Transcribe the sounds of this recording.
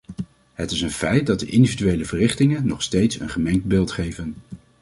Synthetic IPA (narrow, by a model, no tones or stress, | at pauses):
ɦətɪsənfɛjt̚dɑdəʔɪndividyʋejləvərɪχtɪŋənːɔχstejtsə̰nχəmɛŋtbɪːlˠtχejvən